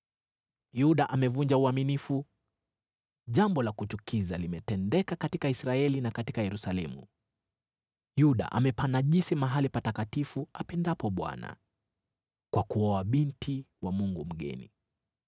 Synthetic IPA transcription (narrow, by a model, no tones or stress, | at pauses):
juɗaʔamɛvuɲd͡ʒauaminifu | ʄambɔlakut͡ʃukʰizalimɛtɛndɛkakatikaisɾaɛlinakatikajɛɾusalɛmṵ | juɗa̰ʔa̰mɛpanaʄisimaɦalipatakatifuapɛndapɔɓwa̰na̰ | kwakuɔaɓintʰiwamuŋɡum̩ɡɛ̰nḭ